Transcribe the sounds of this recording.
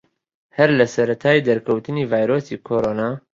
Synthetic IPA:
hɛɾlæsɐɾɐt̪ʰaːjiːd̪ɐɾkʰɐwt̪ɨniːvaːjɾoːsiːkʰoːɾoːnaː

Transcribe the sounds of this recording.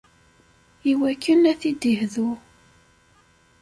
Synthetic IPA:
iwækːənæθid̪ihðu

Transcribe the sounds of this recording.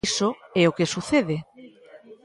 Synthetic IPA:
soeokesuθeðe

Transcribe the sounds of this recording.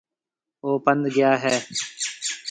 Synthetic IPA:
oːpə̃nd̪ɡɪjaːɦɛː

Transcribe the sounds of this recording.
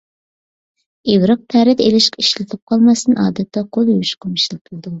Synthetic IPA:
ewɾɨq̚pʰæɾɪd̪elɪʃqiʃlɪt̪ʰɪp̚qʰɑlˠmɑst̪ɨnʔɑ̰ːd̪ɨt̪ʰːɑqʰolˠjowʃqʰɑmɨʃlˠɨq̚t̪ʰulˠd̪u

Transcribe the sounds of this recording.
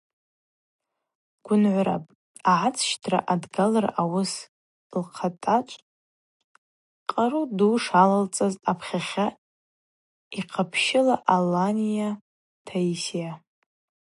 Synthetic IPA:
ɡ̥ʷʊnʕʷʊɾa̰pʼ | aʕat͡sʰʃtʰra̰ʔadɡalarawʊs | lqʰatʼat͡ʃʷʼ | qʼaruduːʂalalt͡sʼazapʰχʲaχʲa | iqʰapʰʃɪlaʔalːanija | tʰaisija

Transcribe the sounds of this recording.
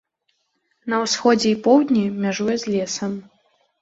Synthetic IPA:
nɐwsxɔd͡zʲɛipɔwd̪ʲnʲimʲaʐujɛzʲlʲɛsɐm

